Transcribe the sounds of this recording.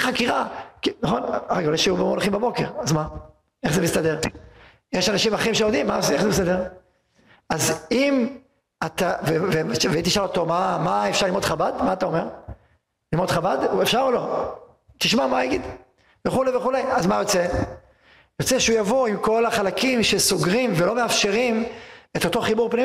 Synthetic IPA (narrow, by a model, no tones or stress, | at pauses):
χakiʁakinaχo̞naɡuleʃeubemolχimbabo̞keʁazma | eχzemist̪ad̪e̞ʁ | jeʃanaʃimaχimʃeod̪imːaseχzemist̪ad̪e̞ʁ | azim | at̪aveveʃvait̪iʃalot̪o̞mamaefʃaʁlimod̪χabad̪maːt̪ao̞me̞ʁ | limo̞d̪χabad̪efʃaʁolo̞ | t̪iʃmamajaɡid̪ | veχuleveχulejazmajo̞t͡se | jo̞t͡seʃeujavo̞imko̞laχalakimʃe̞soɡʁimvelo̞meafʃe̞ʁimet̪o̞t̪o̞χibuʁpnim